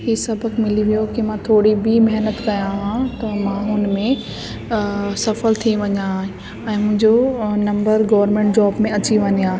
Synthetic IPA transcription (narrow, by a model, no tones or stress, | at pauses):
ɦiːsɐbʱəkmɪliʋijokimãt̪ʰoːɽibʱimɐɦnət̪kɐjãɦãt̪ɐmãːɦʊnmẽ | sɐfəlt̪ʰiĩʋɐɲaɦɪ̃ | ɛ̃ːmʊ̃ɦɪ̃ɲd͡ʑonɐ̃mbəɾɡɐʋəɾmẽːɳʈ̚d͡ʑɔːbmẽɐt͡ɕiʋɐɲijãː